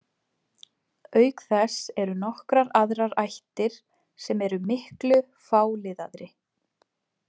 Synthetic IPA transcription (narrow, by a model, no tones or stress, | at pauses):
œːɥkθɛsɛɾʏnɔhkɾaɾaðɾaɾajht̪ɪɾ̥ | sɛmɛɾʏmɪhklʏ | faːwlɪðaðɾɪ